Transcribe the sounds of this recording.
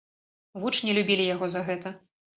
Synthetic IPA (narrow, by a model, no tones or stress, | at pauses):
vut͡ʂnʲɛlʲubʲilʲijaɣɔzɐɣɛt̪ɐ